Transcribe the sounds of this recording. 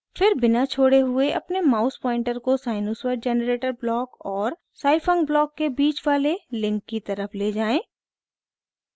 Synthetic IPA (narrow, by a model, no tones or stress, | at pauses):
fɪɾbɪnat͡ʃʰoːɽeɦʊeʔɐpnemaːʊspɔ̃ːɪ̃ɳʈəɾkosaːɪnoːswəɾɖ̚d͡ʒɛːnəɾeːʈəɾblɔːkɔːɾ | saːɪfə̃ŋɡblɔːkːebiːt͡ʃʋaːlelɪ̃ŋkːit̪ɐɾəfleːd͡ʒaːẽː